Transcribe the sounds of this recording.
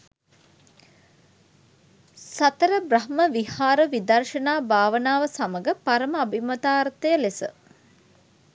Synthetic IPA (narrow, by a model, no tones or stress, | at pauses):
sɐt̪əɾəbrɐɦməʋihaːɾəʋid̪ɐrʃɐnaːbaːʋənaːʋəsaməɡəpaɾəməabʱimɐt̪aːɾt̪əjəlesə